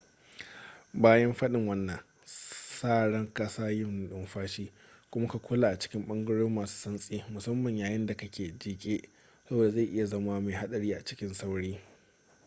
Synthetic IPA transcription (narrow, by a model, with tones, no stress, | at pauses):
baː˦jɐ˦mɸɐ˦ɗɪ˨ŋwɐ˦nːɐ˨ŋ | saː˦˨ɽɐ˦ŋkʼɐ˦saː˦jɪ˦mn˨ɗɪ˦mɸaː˦ʃiː˦ | kʷʊ˦mʊ˦ka˨kʷʊ˦laː˨ʔa˨t͡ʃɪ̥˦kʲɪ˦mɓɐ˦ŋɡɐ˦ɽoː˦mːaː˨su̥ː˦sɐ˦nsʼiː˦mʊ˨sɐ˦mːɐ˨ɲjaː˨jɪ˦nda˨kɐ˦kʲeː˨d͡ʒiː˦kʲʼeː˦ | sɐ˦boː˨da˨za˦˨ʔɪ˦ja˨zɐ˦ma˦ma˨ɦa˦ɗɐ˨ɽiː˦ʔa˨t͡ʃɪ̥˦kʲɪ˦nsa˦wɽiː˦